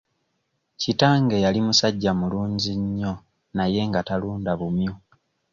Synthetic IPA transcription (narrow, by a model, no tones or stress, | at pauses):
citaːŋɡe̞jalimusaɟːamuluːɲɟiɲːo̞ | naje̞ŋɡataluːndaβumjo